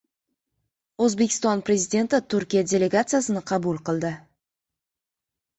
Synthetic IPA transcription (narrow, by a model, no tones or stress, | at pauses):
ɵzbekʲʰɪ̥st̪ɒnpɾe̞zid̪ʲe̞nt̪ɪt̪ʰʊɾkʲijad̪ʲe̞le̞ɡat̪sɨijasɪnɪqʰɑbʊlˠqɨlˠd̪ɪ